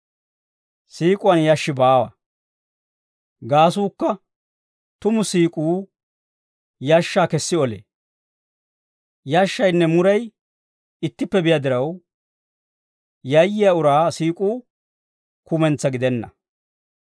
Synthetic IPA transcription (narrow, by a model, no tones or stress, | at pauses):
siːkʼʊwɐnjaʃːɪbaːwɐ̰ | ɡaːs̬uːkːɐ | t̪ʊmʊsiːkʼuː | jaʃːaːkɛsːɪɔlḛː | jaʃːɐjnːɛmʊɾɐj | ɪt̪ːɪpːɛbɪjɐd̪ɪɾɐw | jɐjːɪjaʊɾaːsiːkʼuː | kʊmɛnt͡sːɐɡɪd̪ɛnːɐ̰